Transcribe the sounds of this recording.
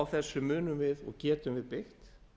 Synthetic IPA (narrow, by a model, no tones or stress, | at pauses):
wθɛsːʏmʏːnʏmvɪðɔ̰ɣcɛːt̪ʏmvɪðpɪxt̪